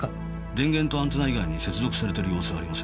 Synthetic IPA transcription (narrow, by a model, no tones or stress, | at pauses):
ɾẽ̞ŋɡẽnt̪o̞ãnt̪enaiɡaiɲ̟ise̞t͡sɨzo̞kɯ̥saɾe̞t̪e̞ɾɯ̟jo̞ːsɨɡaːɾimas